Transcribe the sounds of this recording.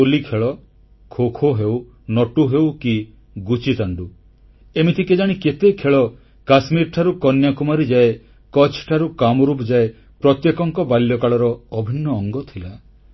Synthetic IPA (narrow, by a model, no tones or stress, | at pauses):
olikʰeɭɔ | kʰokʰoɦew | nɔʈuɦewki | ɡut͡ʃit̪aɳɖu | emit̪ʰiked͡ʒaɽ̃iket̪ekʰeɭɔ | kasmiɾʈʰaɾukɔnjakumaɾid͡ʒae | kɔt͡ʃʰʈʰaɾukamɔɾupd͡ʒae | pɾɔt̪jekɔŋkɔbaljɔkaɭɔɾɔːbʱinːɔːŋɡɔt̪ʰila